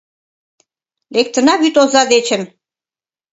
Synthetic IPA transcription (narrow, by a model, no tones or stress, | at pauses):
lek̚t̪ə̆nɑβyt̪ozɑd̪et͡ɕə̆n